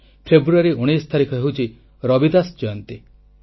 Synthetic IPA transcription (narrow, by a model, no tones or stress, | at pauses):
pʰebɾuaɾiuɽ̃est̪ʰaɾikʰɔɦeɦwut͡ʃʰi | ɾɔbid̪asd͡ʒɔjɔnt̪i